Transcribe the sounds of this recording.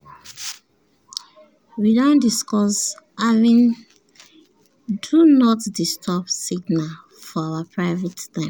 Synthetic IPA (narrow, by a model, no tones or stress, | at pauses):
widãndiskɔsavĩn | dunɔtdistʰɔpsiɡna | fɔawapʰɹaɪvɛttãɪ̃